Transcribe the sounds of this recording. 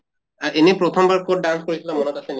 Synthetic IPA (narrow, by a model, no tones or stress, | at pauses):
aʔenepɹot̪ʰɔmbaɹkoɖanskoɹisʰilamonɔt̪asen